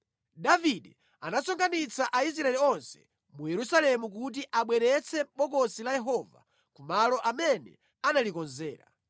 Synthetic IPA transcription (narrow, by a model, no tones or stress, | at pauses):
daviɗɛ | anasɔŋɡanit͡sʰaʔais̬ɾaɛliɔnsɛ̥̰ | mujɛɾusalɛmuk̬ut̬iʔaɓwɛɾɛt͡sʰɛɓɔkɔsilajɛɦɔva̰ | kumalɔʔamɛnɛ̰ | analikɔnzɛ̰ːɾa̰